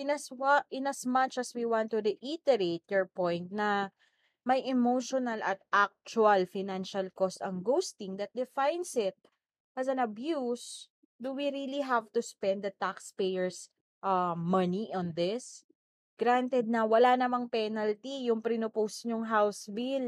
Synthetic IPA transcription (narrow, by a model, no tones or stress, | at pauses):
ɪnɐswʔɪnɐsmɐt͡ʃɐswiwãnt̪ːudiʔit̪ɛɾet̪̚jɔɹpɔ̃jnt̪̚nɐ | mɐjɛmowʃonɐlʔɐt̪ʔak̚t͡ʃuɐlfɪnãnʃɐlkɔst̪ɐŋɡowst̪ɪ̃ŋd̪ɐt̪̚d̪ɪfajnsɪt̪̚ | ʔɐsɐ̃nɐbjus | d̪uwiɾiliɦavt̪uspɛ̃nd̪d̪ɐt̪akspejɛɹs | ʔɐmɐniʔɔ̃nðɪs | ɡ̥ɾant̪ɛd̪̚nɐwɐlanɐmaŋpɛnɐlt̪ijʊŋpɾinoposɲoŋɦawsbil